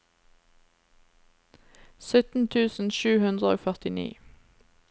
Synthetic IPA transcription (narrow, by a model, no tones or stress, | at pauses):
sœt̪n̩t̪ʰʉːsn̩ʃʉːhʉnd̪ʁəo̰ːfœʁt̪ɪnḭː